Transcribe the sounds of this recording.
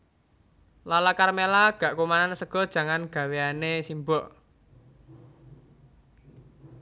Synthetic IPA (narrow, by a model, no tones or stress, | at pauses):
lalakarmelaɡ̥a̤ʔkomanansəɡ̥ɔ̤d̥ʒ̥ä̤ŋanɡ̥ä̤weanesimbɔʔ